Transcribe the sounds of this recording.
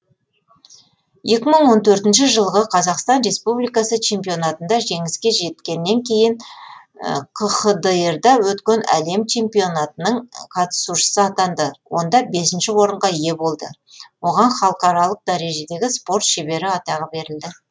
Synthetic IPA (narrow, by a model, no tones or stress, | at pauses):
je̞kʲɪməɴwo̞nt̪ʰɵɾt̪ɪnʃɪʒəlˠʁəqʰɑzɑqst̪ɑnɾe̞spublijkɑsət͡ʃʰe̞mpijo̞nɑt̪ənd̪ɑʒe̞ŋɪskʲe̞ʒe̞t̪kʲe̞nːe̞ŋkʲʰe̞jɪn | qʰəχəd̪əeɾd̪ɑwɵt̪kʲe̞næ̰le̞mt͡ʃʰe̞mpijo̞nɑt̪ənəɴqʰɑt̪ə̥suʃə̥səɑt̪ɑnd̪əwo̞̰nd̪ɑbe̞sɪnʃɪwo̞ɾəɴʁɑije̞bo̞lˠd̪ə̰ | wo̞ʁɑnχɑlˠəqɑɾɑlˠəq̚d̪ɑɾe̞ʒe̞d̪e̞ɡʲɪspo̞rt̪ʃe̞be̞ɾɪɑt̪ɑʁəbe̞ɾɪld̪ɪ